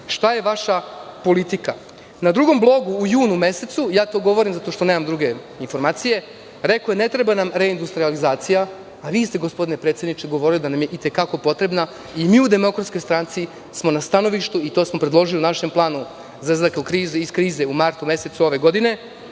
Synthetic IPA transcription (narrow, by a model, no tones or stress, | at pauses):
ʃt̪aje̞ʋaʃapo̞lit̪ika | nad̪ɾuɡo̞mblˠo̞ɡuːjuːnumese̞t̪sujaːt̪o̞ɡo̞ʋoɾimzat̪o̞ʃt̪o̞neːmamd̪ɾuɡe̞ | info̞ɾmaːt̪sije̞ | ɾekojene̞t̪ɾebanamɾe̞ind̪ust̪ɾializaːt̪sijaː | ʋiːst̪eɡo̞spo̞d̪inepɾet̪sjed̪nit͡ʃeɡo̞ʋo̞ɾilid̪anamje̞ʔit̪e̞kako̞po̞t̪ɾe̞bna | imiːud̪e̞mo̞kɾat̪sko̞jst̪ɾant̪si | smo̞nast̪ano̞ʋiʃt̪uit̪oːsmo̞pɾed̪lˠo̞ʒiliunaʃemplˠaːnu | zazakokɾiːzeiskɾiːzeumaɾt̪ume̞se̞t̪suo̞ʋe̞ɡo̞d̪ine̞